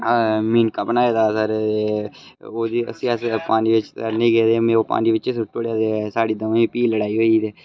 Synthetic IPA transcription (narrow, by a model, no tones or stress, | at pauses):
aːmiːnkaːbənaːeːd̪aːsəɾeː | oːd̪iːə̰sĩːəspaːniːʋɪt͡ʃsəɾnẽːɡɛːd̪eːmẽːoːpa̰ːniːʋɪt͡ʃesʊʈːoːɽjaːd̪eːɛsaːɽiːd̪əmːpiːləɽaːiːɦoːiːt̪eː